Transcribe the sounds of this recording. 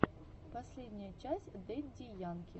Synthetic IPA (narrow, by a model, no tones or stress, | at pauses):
pɐsʲlʲedʲnʲɪjət͡ɕæsʲd̪ɛt̚ʲdʲɪjankʲɪ